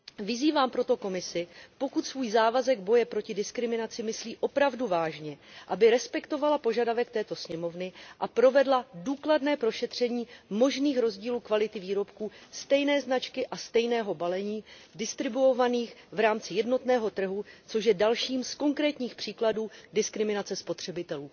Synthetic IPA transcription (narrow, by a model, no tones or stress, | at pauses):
vɪziːvaːmpɾo̞t̪o̞ko̞mɪsɪpo̞kut̪svuːjzaːvazɛɡ̚bo̞jɛpɾo̞cɪdɪskɾɪmɪnat͡sɪmɪsliːʔo̞pɾavduvaːʒɲɛʔabɪɾɛspɛkt̪o̞valapo̞ʒadavɛk̚t̪ɛːt̪o̞sɲɛmo̞vnɪʔapɾo̞vɛdladuːkladnɛːpɾo̞ʃɛt̪r̝̥ɛɲiːmo̞ʒniːxɾo̞zɟiːluːkvalɪt̪ɪviːɾo̞pkuːst̪ɛjnɛːznat͡ʃkɪʔast̪ɛjnɛːɦo̞balɛɲiːdɪst̪ɾɪbuovaniːxvɾaːmt͡sɪjɛdno̞t̪nɛːɦo̞t̪r̩ɦut͡so̞ʃjɛdalʃiːmsko̞ŋkɾɛːt̪ɲiːxpr̝̥iːkladuːdɪskɾɪmɪnat͡sɛspo̞t̪r̝̥ɛbɪt̪ɛluː